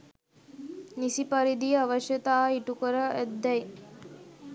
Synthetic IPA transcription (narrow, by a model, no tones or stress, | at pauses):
nisipaɾid̪ijəaʋɐʃjɐt̪aːiʈukəɾəʔæd̪ːɛj